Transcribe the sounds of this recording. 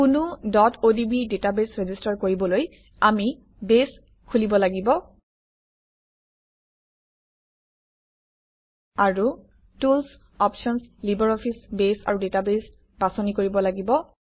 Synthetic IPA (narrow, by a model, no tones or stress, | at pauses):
kunʊdɔtʰodibidetabesɹezistaɹkoɹibɔloj | ami | bes | kʰulibɔlaɡibɔ | aɹu | tuls | ɔpʃɔnslibaɹɔpʰisbesa̰ɹudetabes | basɔnikoɹibɔlaɡibɔ